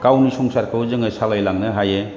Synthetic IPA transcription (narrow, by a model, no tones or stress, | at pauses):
kawnisɔŋsaɾkʰɯwzɯŋɯsalajlaŋnɯɦaje